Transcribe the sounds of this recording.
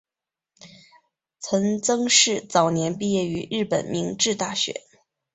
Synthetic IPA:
t͡sʰə˧˥ŋt͡sɤ˥ŋʂɻ̩˥˩t͡sɑ˨˩ʊnjɛ˧˥npi˥˧jɛ˥˩y˧˥ɻɻ̩˥˩pə̰˨˩nmi˧˥ŋʈ͡ʂɻ̩˥˧t̪a˥˩ɕɥɛ̰˧˥˦

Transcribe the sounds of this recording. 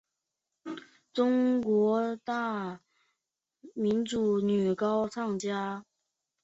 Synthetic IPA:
ʈ͡ʂʊ˥ŋkwɔ˧˥t̪a˥˩ | mi˧˥nʈ͡ʂu˨˩ny˨˩kɑ˥ʊt͡sʰɑ˥˩ŋt͡ɕja˥

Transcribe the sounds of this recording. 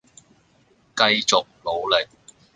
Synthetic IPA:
kɐ˧jt͡sʊ˨k̚lo˨˧wlɪ˨k̚

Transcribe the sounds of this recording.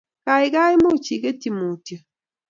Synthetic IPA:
ka˨ɪ˨ka˦ɪ˦mo˦˨t͡ʃi˨ke˦ti˦˨mo˨to˨

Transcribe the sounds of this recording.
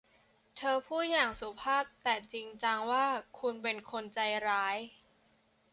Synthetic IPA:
t̪ʰɤː˧pʰuː˥˩jaː˨˩ŋsu˨˩˦pʰaː˥˩p̚t̪ɛː˨˩t͡ɕi˧ŋt͡ɕa˧ŋwaː˥˩kʰu˧npe˧nkʰo˧nt͡ɕa˧jɾaː˦˥j

